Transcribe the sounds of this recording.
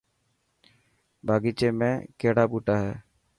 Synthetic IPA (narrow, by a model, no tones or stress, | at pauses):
bʱaːɡiːt͡ʃeːmẽːkeːɽaːpuːʈaːɦɛː